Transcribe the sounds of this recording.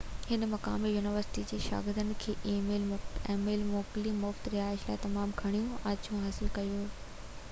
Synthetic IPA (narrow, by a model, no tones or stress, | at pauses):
hɪnmɐka̰ːmijuːnɪʋəɾsɪ̥ʈid͡ʑeːʃa̰ːɡɪɾd̪ənɪ̆kʰeːʔiːmeːlmẽːmeːlmoːklimʊft̪ɾiaːɪslaːt̪ɐmaːmɡʱɐɽ̃ijũʔɐd͡ʑũɦaːsɪlkɐjoː